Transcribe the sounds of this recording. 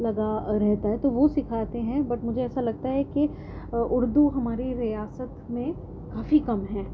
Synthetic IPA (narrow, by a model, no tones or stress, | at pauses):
lɐɡaɾɛɦt̪aɦɛt̪oʋosɪkʰaːt̪eɦɛ̃bɐʈmʊd͡ʒʱeɛːsalɐɡ̚t̪aɦɛke | ʔʊɾd̪uɦɐmaːɾiɾijaːsət̪mẽ | kaːfikɐmɦɛ̃ː